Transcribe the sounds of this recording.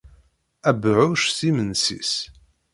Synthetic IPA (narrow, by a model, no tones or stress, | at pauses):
æbʕʊʃθimənsḭs